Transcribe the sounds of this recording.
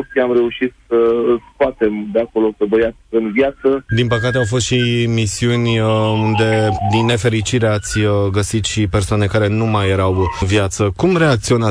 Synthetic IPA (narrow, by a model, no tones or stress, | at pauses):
iamɾe̞uʃit̪səɨlskoat̪e̞md̪eako̞lo̞səbəjat̪ɨnvjat̪səd̪inpəkat̪eawfo̞st̪ʃimisiunʲund̪e̞d̪inːe̞fe̞ɾit͡ʃiɾe̞at̪sʲɡəsit̪ʃipe̞rsoane̞kaɾe̞numajːeɾaw̪vjat̪səkumɾe̞ak̚t̪sio̞na